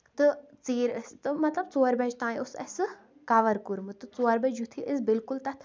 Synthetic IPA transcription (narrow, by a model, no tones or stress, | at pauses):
t̪ɨt͡siːɾst̪ɨmɐt̪lɐbt͡soːɐɾbɛd͡ʒt̪ãːĩosɐ̰sɨ | kɐʋɐɾkuɾmɨt̪ɨt͡soːɐɾbɐd͡ʒjut̪ʰiʔizbilkult̪ɐt̪ʰ